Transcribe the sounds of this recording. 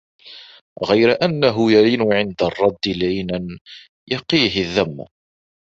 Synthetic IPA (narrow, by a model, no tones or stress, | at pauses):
ɣijɾæʔænːæɦujælinuʕɪnd̪ərˤːɑd̪ːilʕinæn | jɑqːiɦiðæmːæ̰